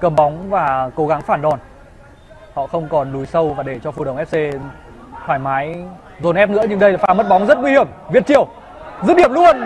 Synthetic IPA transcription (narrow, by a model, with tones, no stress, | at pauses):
kə˨˩mɓɔ˨˦wŋ͡mvaː˨˩ko˨˦ɣa˨˦ŋfaː˧˩nɗɔ˨˩n | hɔ̰˧˨xə˧wŋ͡mkɔ˨˩nlu˨˦jsə˧wvaː˨˩ɗe˧˩t͡ɕɔ˧fu˧˩ɗə˧˩wʔɛ˦˥p̚se˧ | t̪ʰwaː˧˩jmaː˨˦j | zo˨˩nʔɛ˦˥p̚nɨ̰˧˥əɲɨ˧ŋɗə˧jlːfaː˨˦mə˦˥t̚ɓɔ˨˦wŋ͡mzə˦˥t̚ŋwi˧hi˧˩əmvi˨˩ət̚t͡ɕi˧˩əw | zɨ̰˧˥ɗi˧˩əmlu˧ən